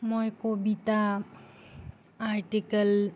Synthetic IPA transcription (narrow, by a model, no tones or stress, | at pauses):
mɔjkobit̪a | aɾʈikəl